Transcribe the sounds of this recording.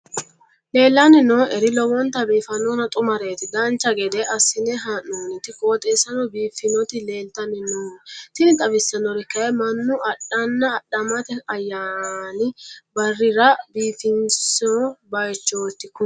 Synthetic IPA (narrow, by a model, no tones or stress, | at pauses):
le̞ːlːɐnɪnoʔɛɾɪlɔwɔnt̪ɐbiːfɐnoːnɐt̪ʼʊmɐɾeːt̪ɪd̪ɐnt͡ʃːɐɡɛd̪ɛʔɐsːɪnɛɦaːnːoːnɪt̪ɪkoːt̪ʼeːsɐnɔbiːfɪnɔt̪ɪle̞ːlt̪ɐnɪnoːnt̪ɪnɪt̪ʼɐbɪsːɐnɔɾɪkːɐɛmɐnːʊɐɗːɐnːɐːɗɐmɐt̪ɪɐjːaːnɪbɐrːɪɾɐbiːfɪnsobɐjt͡ʃːoːt̪ːɪkʊ